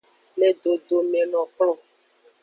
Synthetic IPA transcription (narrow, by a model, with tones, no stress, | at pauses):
le˦ɖo˨ɖo˨mẽ˨lɔ̃˨klɔ̃˦˨